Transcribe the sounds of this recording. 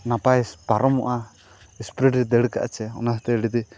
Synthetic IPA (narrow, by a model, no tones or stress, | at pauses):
napajspaɾɔmɔʔa | ispɾɛɖɾɛd̪ɛɽka̰ʔt͡ʃɛɔ̰nast̪ɛɽid̪i